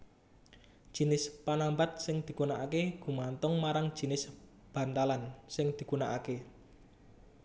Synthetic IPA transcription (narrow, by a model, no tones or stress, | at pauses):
d̥ʒ̥i̤nɪspanambat̪̚sɪŋd̪̥i̤kunaʔakeɡ̥ṳmant̪ʊŋmaɾaŋ̥ʒ̥i̤nɪs | b̥a̤nt̪alansɪŋd̪̥i̤kunaʔake